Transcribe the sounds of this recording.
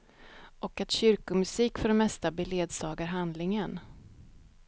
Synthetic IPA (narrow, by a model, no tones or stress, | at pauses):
ʔɔkat̪ɕʏɾkʊmɵsiːkfœɖɛmɛst̪abɛleːd̪sɑːɡaɾɦand̪lɪŋən